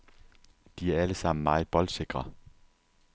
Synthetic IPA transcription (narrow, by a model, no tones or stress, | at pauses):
d̥iæɐæləsɑ̈m̰n̩mɑ̈ːɪð̩ˠb̥ɒ̽l̥se̝ɡ̥ʁɐ